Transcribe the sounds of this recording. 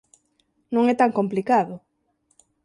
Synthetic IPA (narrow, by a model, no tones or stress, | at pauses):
nũŋɛt̪aŋkomplikaðʊ